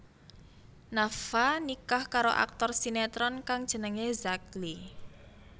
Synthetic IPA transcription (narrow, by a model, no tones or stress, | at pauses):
nafanikahkaɾoʔa̰k̚t̪ɔrsinet̪ɾɔnkaŋd̥ʒ̥ə̤nəŋezak̚li